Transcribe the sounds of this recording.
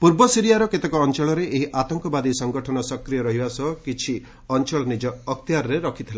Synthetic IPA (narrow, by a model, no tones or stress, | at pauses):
puɾbɔsiɾijaɾɔket̪ekɔːnt͡ʃɔɭɔɾeʔeɦiʔat̪ɔŋkɔbad̪isɔŋɡɔʈʰɔnɔsɔkɾijɔɾɔɦibasɔkit͡ʃʰi | ɔnt͡ʃɔɭɔnid͡ʒɔːkt̪jaɾɔɾeɾɔkʰit̪ʰila